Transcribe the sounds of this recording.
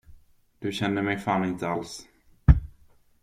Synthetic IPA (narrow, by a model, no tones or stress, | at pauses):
d̪̥ɵɕɛnd̪əmɛjfaːnɪnt̪əals